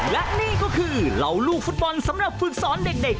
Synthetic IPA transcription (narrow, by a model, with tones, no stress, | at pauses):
lɛ˦˥ʔniː˥˩kɔː˥˩kʰɯː˧ɾa˧˩wluː˥˩k̚fu˦˥t̪̚bɔ˧nsa˨˦mɾa˨˩p̚fɯ˨˩k̚sɔː˨˦nde˨˩k̚de˨˩k̚